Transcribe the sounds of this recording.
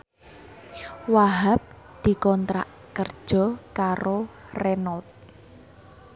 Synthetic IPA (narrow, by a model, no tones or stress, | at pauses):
waɦap̚ | d̪̥i̤kɔnt̪ɾa̰ʔ | kərd̥ʒ̥ɔ̤kaɾorɛnɔlt̪̚